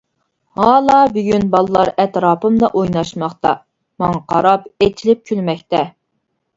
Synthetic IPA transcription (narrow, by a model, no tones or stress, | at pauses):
hɑːlˠɑːbyɡʲynbɑlˠɨlˠɑɾɛt̪ɾɑːpɨmd̪ɑʔojnɑʃmɑχt̪ɑ̰ | mɑŋɑqʰɑɾɑpet͡ʃʰilɪp̚kʲʰylmɛk̚ʲt̪ɛ